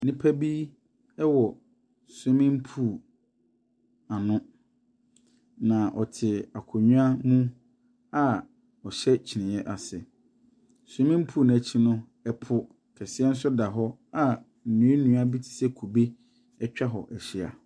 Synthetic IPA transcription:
nĩ˦pʰa˦bi˦ | ɛ˦wɔ˨ | sʊ̃˦mɪ̃˦m̩˦pʰuː˦˨ | a˨nʊ̃˦ | nã˨ʔɔ̰˨tʰɪ˨a˨kʰʊ˨ɲũ˦a˦mũ˦ | a˦˨ | ɔ˨ɕɛ˦t͡ɕʰi˨nɪ̃˨jɛ˦ʔa˨sɪ˨ | sʊ̃˦mɪ̃˦m̩˦pʰuː˦˨n˨ã˨t͡ɕʰi˦nʊ̃˦ | ɛ˦˨pʰʊ˦ | kʰɛ˨sɪ˦ɛ˦n̩˦s̬ʊ˦da˨ɦɔ˦ | a˨ | n̩˨nũ˨˦e˦nũ˨˦a˦bi˦tʰɪ̥˨sɛ˦kʰu˨be˦ | ɛ˦t͡ɕᶣa˦ɦɔ˨ʔɛ˨ɕɪ˦a̰˨

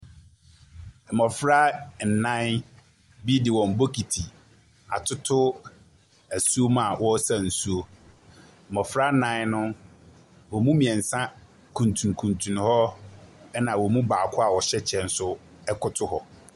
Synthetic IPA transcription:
m̩˨mɔ̃˨fɾa˦n̩˨nã˦ | bi˦dɪ˨wɔ̃˨m̩˨bo˦kʰi˨tʰi˨ | a˨tʰʊ˦tʰʊ˦ | æ˨su˦o˦mã˨wɔ˦sa˦n̩˨su˦o˦ | m̩˨mɔ̃˨fɾa˦nã˦nʊ̃˦ | wɔ˨mũ˦mĩ˨ɛ˨n̩˨sã˦ | kʰũ˨ntʰũ˨n˨kʰũ˨ntʰũ˨n˨hɔ˦ɛ˦nã˨wɔ˨mũ˦baː˨kʰʊ˦a˨wɔ˨ɕɛ˦t͡ɕʰɛ˦˨n̩˦sʊ˦ | ɛ˦kʰʊ˦tʰʊ˦hɔ˨

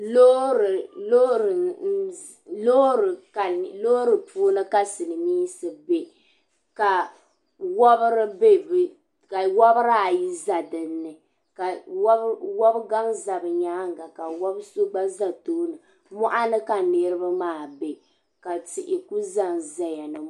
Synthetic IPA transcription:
lo˦ɾɨ˨lo˦ɾɨ˨ | lo˦ɾɨ˨ka˨lo˦ɾɨ˨pʰuː˦nɨ˦ka˦sɨ˨lɨ˨miː˦sɨ˨be˦ | ka˨ | wɔ˦bɨ˦ɾɨ˦be˦bɨ˨ | ka˨wɔ˦bɨ˦ɾa˦a˨ji˦za˨dɨ˨nːɨ˨ | ka˨˦ | wɔ˦bɡa˦ŋza˨bɨ˨ɲaː˦ŋ̩˨ɡa˨ka˨wa˦bso˦ɡ͡ba˦za˨toː˦nɨ˨ | mɔ˦ʔa˦nɨ˦ka˨ne˦ɾɨ˦ba˦maː˦˨be˨ | ka˨ti˨ʔɪ˨ku˦za˦nza˨ja˨nɨ˨

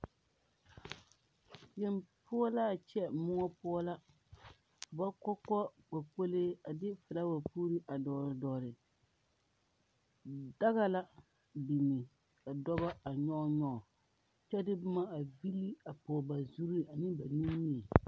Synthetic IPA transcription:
jɛ˦mpʰʊ˦ɔ˦la˦˨t͡ʃɛ˦mʊ˦ŋɔ˦pʊ˦ɔ˦la˦˨ | ba˦kɔ˦kɔ˦k͡pa˨k͡po˦leː˦a˨dɪ˦fɨ˨la˦wa˨puː˦ɾi˦ʔa˨dɔː˨ɾdɔː˨ɾɪ˨ | da˦ɣa˦la˦ | bi˨nɪ˨ | ka˨dɔ˦ba˦a˨ɲɔ˦ɲɔ˦˨ | t͡ʃɛ˦dɪ˦bʊ˦ma˦a˨vi˦lːi˦a˨poː˨ba˨zu˦ɾi˦˨a˨nɪ˦ba˨nũ˦mɲĩ˦ɛ˨

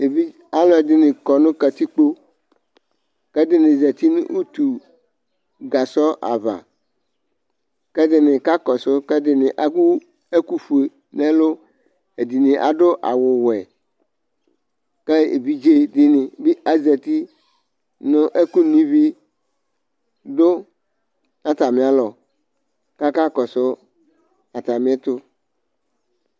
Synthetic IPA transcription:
e˨bi˦ | a˦lɔ˦e˨dɪ˨nɪ̃˨kɔ˨nʊ̃˦ka˨t̪i˦k͡po˦ | kɛ˦dɪ˦nɪ̃˨zɛ˨t̪i˦ñ̰˦ʔu˦t̪u˨ | ɡa˨sɔ˦ʔa̰˨va̰˨ | kɛ˦dɪ˦nɪ̃˨ka˦kɔ˨sʊ˦kɛ˦dɪ˨nɪ̃˨ʔa˦ku˦ | e˦ku˦fu˨e˨ | nɛ̃˦lo˦ | e˨di˨nɪ̃˨ʔa̰˨ɖo˦ʔa̰˨wʊ˨wɛ˨ | kɛ˦ḛ˨bi˦d͡ʒe˦dɪ˦nɪ̃˨bi˦ʔa˦ze˨t̪i˦ | nʊ̃˦ʔe˦ku˦nĩ˦vi˦ | dʊ˦ | nã˦t̪a˨mɪ̃˨a˨lɔ˨ | ka˦ka˦kɔ˨sʊ˦ | a˨t̪a˨mɪ̃˨˦e˦t̪ʊ˦

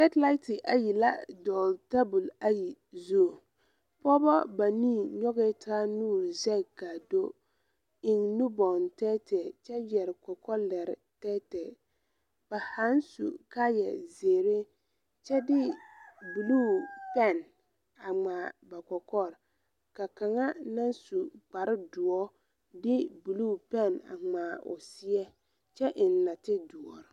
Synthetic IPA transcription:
ɛ˦tla˦tɪ˨ʔa˨ji˨la̰˦dɔː˨lta˦bu˨la˦ji˨zuː˦˨ | pɔ˦bɔ˦ba˨ni˦˨ɲɔ˦ɣɛ˦taː˦nuː˦˨ɾzɛ˦˨ka˨do˦ | ɪ˨ŋnu˦bɔ˨ntɛː˦tʰɛ˨t͡ʃɛ˦jɛ˨ɾɪ˨kɔ˨kɔ˦lɛ˨ɾtɛ˦tɛ˨ | b̥a˨ha˨˦nsṵ˨ka˦jɛ̰˨zeː˨ɾe˦ | t͡ʃɛ˦dɪ˦bu˨luː˦˨pɛ˦˨n | a˨ŋ͡maː˨ba˨kɔ˨kɔ˦ɾ | ka˨ka˨ŋa˦na˦nsu˨ɡ͡ba˨ɾɪ˦dʊ˨ɔ˦ | dɪ˦bu˨luː˦˨pɛ˦˨na̰˨ŋ͡maː˨ʊ̰˨sɪ˦ɛ˦ | t͡ʃɛ˦ʔɪ˨nːa˨tɪ˦du˨ɔ˨ɾɪ˨

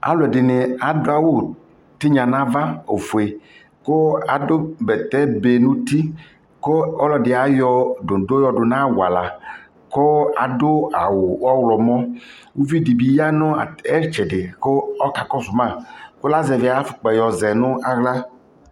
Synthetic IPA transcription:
a̰˦lʊ˨ɛ˨dɪ˨nɪ˨a˨dʊ˦a˨wo˦ | t̪ɪ˦ɲã˨nã˦va˦o˨fu˨e˨ | ko˦a˨dʊ˦bɛ˨t̪ɛ˦be˨nũ˦t̪i˦ | ko˦ɔ˦lɔ˨dɪ˨a˨jɔ˦dʊ˨do˦jɔ˦dʊ˨nã˦wa̰˨la˨ | ko˦a˨dʊ˦a˨wʊ˨ɔ˦wlɔ˨mɔ˦wu˦vi˦di˨bi˨˦ja˦nʊ˦a˨ɛ˦ɾt͡ʃɛ˨dɪ˨ko˦ɔ˦ka˨kɔ˦sʊ˨mã˦˨kʊ˦la˦zɛ˨vɪ˨˦a˨˦fʊ̥˨k͡pɛ˨jɔ˨zɛ˨nʊ̃˦a˦ɣla˦

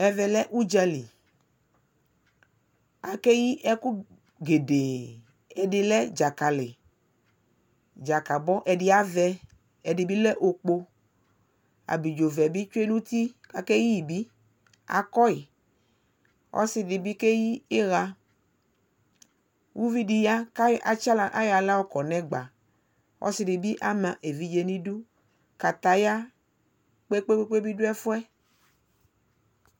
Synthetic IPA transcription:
ɛ˨vɛ˨lɛ˦ʔu˦d͡ʒa˧li˨ | a˨kɛ˦ji˦ʔɛ˦ku˦ | ɡe˨de˨ | ɛ˨dɪ˧lɛ˦d͡ʒa˨ka˨lɪ˨ | d͡ʒa˨ka˨bɔ˦ʔɛ˨dɪ˦a˦vɛ˧ | ɛ˨dɪ˨bi˦lɛ˦ʔo˧k͡po˧ | a̰˨bi˨d͡ʒo˨vɛ˨bi˦t͡ʃu˦e˦nũ˦t̪i˦a˨kɛ˦ji˦i˨bi˦ | a̰˨kɔ˦i˨ | ɔ̰˦sɪ˨dɪ˨bi˦ke˦jiː˦ɣa˧ | wʔu˦vi˦di˨ja˦ka˨t͡ʃa˦la˦ʔa˦ja˧la˦wɔ˦kɔ˨nɛ̃˦ɡ͡ba˨ | ɔ̰˦sɪ˧˦dɪ˨bi˦ʔa˦mã˨ʔe˨vi˦d͡ʒe˧˨nĩ˦du˦ | ka˨t̪a˨ja˦ | k͡pe˦k͡pe˦k͡pe˦k͡pe˦bi˦dʊ˦ɛ˦fu˦ɛ˦

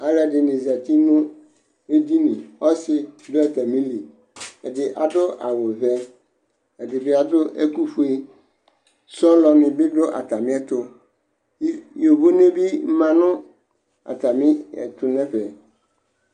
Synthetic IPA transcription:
a˨ɾa˨dɪ˨nẽ˨za˨ti˦nʊ̃˦ | e˦di˦nĩ˨ɔ˦sɪ˦dʊ˦ɛ˨tʰa˨mĩ˦li˨ | ɛ˨dɪ˨ʔa˨dʊ˦ʔa̰˨wʊ˨vɛ˦ | ɛ˨dɪ˨bɪ˦a˨dʊ˦ʔɛ̰˦ku˦fu˦e˦ | sɔ˦lɔ˨nɪ̃˨bɪ˦dʊ˦ʔa̰˨tʰa˨mɪ̃˦ɛ˦tʰʊ˦ | jo˨bo˦n˦ẽ˦bi˦m̩˦mã˨nʊ̃˦ | a̰˨tʰa˨mɪ̃˦ɛ̰˨tʰʊ˨nɛ̃˦ɸɛ˨

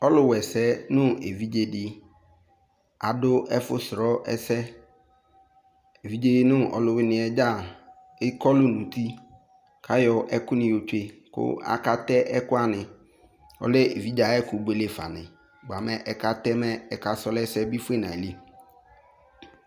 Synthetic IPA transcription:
ɔ˦lʊ˨wɛ˨sɛ˦nʊ̃˦e˨vi˦d͡ʒe˦dɪ˦ | a˨dʊ˦ɛ˦fʊ˦sɾɔ˦ʔɛ̰˦sɛ˦ | e˨vi˦d͡ʒe˦nʊ̃˦ʔɔ̰˨lʊ˨wɪ˦nɪ̃˨ɛ˨d͡ʒa˦˨ | ɪ˦kɔ˦lʊ˦nũ˨t̪i˦ | kʰa˦jɔ˨ʔɛ˦kʊ˦nɪ̃˨jo˨t͡ʃe˦kʊ̰˦a̰˨ka˦t̪ɛ˦ʔɛ˦kʊ˦a˦nɪ̃˨ | ɔ̰˨le˦ḛ˨vi˦d͡ʒa˨˦ɛ˦kʊ˨˦be˦le˦fa̰˨nɪ̰̃˨ | ɡ͡ba˨mɛ˨ʔɛ˨ka˦t̪ɛ˦mɛ˦ɛ˨ka˨sɔ˦lɛ˦sɛ˦bi˦fʊ˦e˦˨nã˨li˦

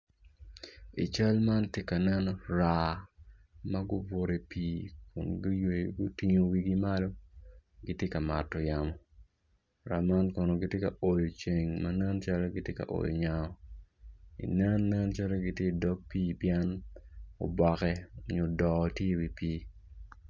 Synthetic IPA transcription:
i˨t͡ʃa˦lma˦ntje˦ka˨nɛ˦nɔ˦ra˨ | mɐ˦ɡʊ˦bo˨ɾe˨piː˦kʊ̰˨nɡje˨ɡʊ˦ti˦ŋo˨wi˦ɡi˦ma˦lo˦ɡi˦tje˦ka˨ma̰˨tːɔ˨ja˨mɔ˨ | ɾa̰˨ma˦nkɔ˨no˨ɡi˦tje˦ka̰˨o˨jo˨t͡ʃe˨ŋmɐ˦nɛ˦nt͡ʃa˦lɛ˦ɡɪ˦tje˦ka̰˨ʔo̰˨jo̰˨ɲa˨ɔ˦ | ḭ˨nɛ˦nːɛ˦nt͡ʃa˦lɛ˦ɡi˦tje˦˨dɔ˦k̚piː˦pjɛ˦n | o̰˨bɔ˨kɛ˦o˨ɲo˨dɔ˨tje˦wi˨piː˦

